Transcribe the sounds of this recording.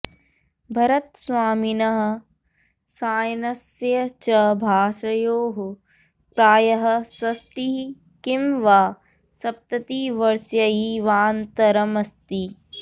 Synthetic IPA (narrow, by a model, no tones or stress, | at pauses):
bʱɐɾɐt̪̚sʋaːminɐɦɐ̆ | saːjnɐsjɐt͡ʃɐbʱaːʃɐjoːɦu | pɾaːjɐɦɐ̆sɐsʈi | kimʋaː | sɐp̚t̪ɐt̪iːʋɐɾsjɐiʋaːnt̪ɐɾɐmɐst̪i